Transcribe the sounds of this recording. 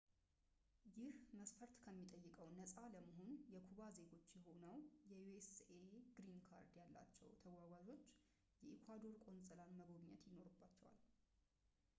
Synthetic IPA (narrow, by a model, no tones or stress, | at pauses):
jɪhməsfəɾt̪kʰəmːit̪ʼəjːɪkʼəwnəsʼaləməɦo̞njɛkʰuβaze̞ɡo̞t͡ʃːjɛɦo̞nəwjɛjueseɡɾinkʰa̰ɾd̪jalːa̰t͡ʃːɛwt̪ʰəwaɡʷad͡ʒo̞t͡ʃː | jɛʔikʰwad̪o̞ɾkʼo̞nsʼəlanməɡo̞βɲːɛ̰t̪jɪno̞ɾɨbːat͡ʃːɛwa̰l